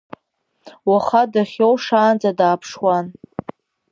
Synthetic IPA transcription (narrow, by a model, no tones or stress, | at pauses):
waχadaχʲowʂaːnd͡zadaːpʰʂwan